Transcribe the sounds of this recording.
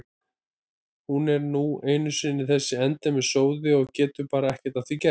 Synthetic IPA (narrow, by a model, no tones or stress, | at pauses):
hunɛɾnueːjnʏsɪnːɪθɛsːɪɛnt̪ɛmɛðsoːwðɪɔɣcɛːt̪ʏpaːɾaɛhcɛ̥t̪aðθicɛ